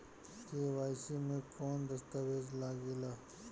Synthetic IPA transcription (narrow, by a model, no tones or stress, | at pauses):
k̪ewaːjsimẽkoːnd̪ɐst̪ɐweːzlaːɡilaː